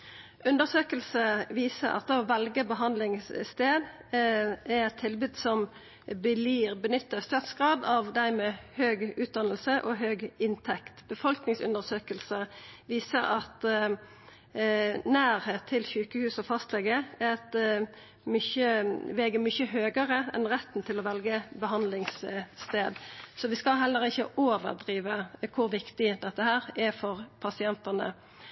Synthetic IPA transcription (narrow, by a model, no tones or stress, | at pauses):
ʉnd̪əsøːkəlsəʋiːsə̰ɾɑ̰t̪ɑʋʋɛlɡəbəɦɑnd̪lɪŋsst̪eːd̪ | ɛʁɛt̪ʰɪlbyːd̪sɔm | bəliːʁbənʏt̪ːəst̪øːt̪sɡ̥ʁɑːd̪ɑʋd̪æɪmɛːhøːɡʉːt̪̚d̪ɑnəlsəʔɔɦøːɡɪnt̪ʰɛkt̪b̥əfɔlknɪŋsʉ̰nd̪əsøːkəlsəʋiːsəɾɑt̪ | næːɾheːt̪ʰːɪlçʉːkəhʉːsɔfɑst̪lɛːɡəɛɛt̪ | mʏçəʋɛːɡəmʏçəɦøːɡəʁəɛ̰nʁɛt̪ːn̩t̪ʰɪlɔʋɛlɡəbəɦɑnd̪lɪŋsːt̪eːd̪sɔʋɪskɑɦɛlːəɾɪçːəʔoːʋə̰ʁd̪ʁiːʋəkʰʊɾʋɪkt̪ɪd̪ɛt̪ːəhæːɾɛfɔʁpʰɑsɪɛnt̪ənə̰